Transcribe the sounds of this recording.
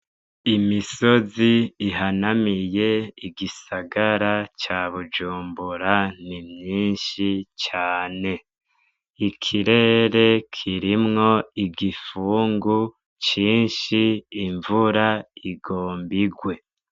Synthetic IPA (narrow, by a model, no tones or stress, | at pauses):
imiso̞ziːɦanamije̞iɡisaɡaɾat͡ʃaːβud͡ʒuːmbuɾanimɲiːnʃit͡ʃaːne̞ | ikʰiɾe̞ɾe̞kʰiɾimŋo̞iɡifuːŋɡu | t͡ʃiːnʃiːɱvuɾaiɡoːmbiɡwe̞